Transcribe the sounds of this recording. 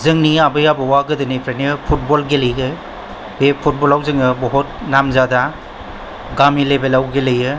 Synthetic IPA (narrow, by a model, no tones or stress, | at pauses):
zɯŋniabɯjabɯwaɡɯdɯnipʰɾeniɯpʰut̚bolɡelɯjɡɯ | bepʰut̚bolawzɯŋɯbɔɦut̚namzada | ɡamilebelawɡelɯjɯ